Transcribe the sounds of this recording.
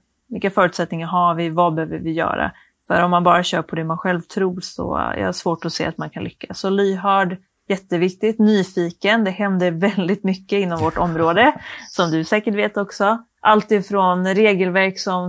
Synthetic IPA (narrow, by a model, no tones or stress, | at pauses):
vɪlkːafœːɾʉt̪sɛt̪̚nɪŋaɾɦaɾvɪvabɛhøːvəɾvɪjœ̰ːɾa̰ | fœ̰ɾɔmːanbɑːɾaɕœːɾpʰɔd̪ɛmanɧɛlvt̪ʰɾuːɾsɔ̰jɑ̰ːhaʂvoːʈɔsḛːat̪mankʰanlʏkːasɔlyːɦœːɖ | jɛt̪ːəvɪkt̪ɪt̪nyːfiːkənd̪ɛɦɛnd̪əɾvɛld̪ɪt̪mʏkːəɪnːɔmvɔʈɔmɾoːd̪əsɔmd̪ɵsɛːkəʈveːt̪ɔksɔ | ʔalt̪id̪fɾɔnɾeːɡəlvæɾksɔm